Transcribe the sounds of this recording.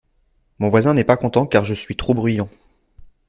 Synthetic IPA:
mɔ̃vwazɛ̃nɛpakɔ̃t̪ɑ̃kaʁʒəsɥit̪χobʁyjɑ̃

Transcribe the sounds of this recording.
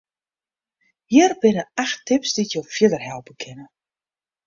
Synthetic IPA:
hiərbɪnəaxtːɪpsd̥ijowfjɪdərɦɛlˠpəkʰɪnə

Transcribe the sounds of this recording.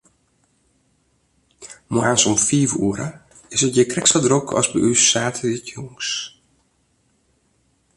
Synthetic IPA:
mwaːnsɔmfiːvuəɾə | ɪsət̚jəkrɛksədrokʰɔ̰sbəʔysːaːtʰəʋitʰjoŋs

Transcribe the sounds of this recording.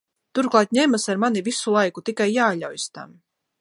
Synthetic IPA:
t̪uɾklˠɑːt̪ɲɛmasaɾmanivisulˠajkut̪ikajːaːʎʲa̰wjst̪a̰m

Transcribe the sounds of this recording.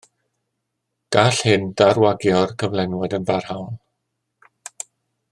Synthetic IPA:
ɡ̥aɬhɪndarwaɡjɔrkʰəvlˠɛnwɛdənbarhawn

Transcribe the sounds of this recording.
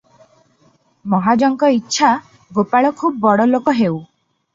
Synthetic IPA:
mɔɦad͡ʒɔŋkɔitːʃʰa | ɡopaɭɔkʰub̚ːɔɽɔlokɔɦew

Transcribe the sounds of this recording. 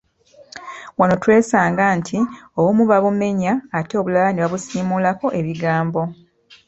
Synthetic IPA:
wano̞twe̞ːsaːŋɡantʰiowumuβaβume̞ɲaːteβulalaneβaβusiːmuːlako̞ʔe̞βiɡaːmbo̞

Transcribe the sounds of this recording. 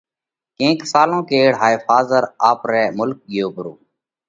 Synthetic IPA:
kẽːksaːlõːkeːɽɦaːeːfaːzəɾaːpɾɛːmʊlk̚ɠɪjoːbəɾoː

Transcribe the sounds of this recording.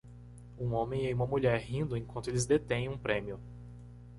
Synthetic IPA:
ũõmẽj̃eũmɐmuʎɛɾɦĩnd̪ʊẽkwɐ̃nt̪ʊelɪzd̪et̪ẽj̃ũpɾẽmiʊ

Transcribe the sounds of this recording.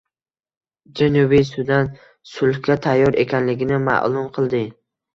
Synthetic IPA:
d͡ʒanubijsʊd̪ant̪ | sʊlhkʲat̪ʰajːɒɾe̞kʲʰanlɪɡʲɪnɪma̰ʔlˠʊmqʰɨlˠd̪ɪ

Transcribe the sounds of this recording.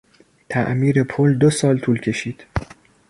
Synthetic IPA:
t̪ʰæ̰ʔmiːɾe̞pʰold̪osɒːlt̪ʰuːlcʰe̞ʃiːd̪̥

